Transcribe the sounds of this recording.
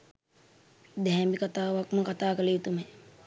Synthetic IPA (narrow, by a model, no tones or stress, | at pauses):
d̪ɛɦɛmbikat̪aːʋakməkat̪aːkəleːt̪ume